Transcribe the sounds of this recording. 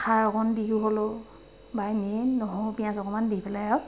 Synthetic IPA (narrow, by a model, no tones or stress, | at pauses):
kʰaɹɔkɔndiɦuɦolo | bajnenɔɦɔpijãsɔkɔmandipɛlaa